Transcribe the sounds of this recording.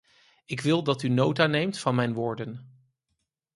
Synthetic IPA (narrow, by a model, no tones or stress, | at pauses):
ɪkʋɪlˠdɑtynowtanejmtfɑnmɛjnʋʊːɹdən